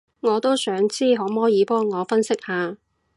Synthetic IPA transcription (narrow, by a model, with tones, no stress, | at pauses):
ŋɔː˨˧t̪o˥wsœː˨˥ŋt͡siː˥ɦo˨˥wmɔː˥jiː˨˧pɔː˥ŋːɔː˨˧fɐ˥nsɪ˥k̚haː˨˧